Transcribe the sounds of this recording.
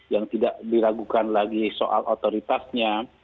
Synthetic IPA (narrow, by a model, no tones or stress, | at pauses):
jaŋt̪idaʔdilaɡukanlaɡisoʔa̰lʔot̪oɾit̪asɲa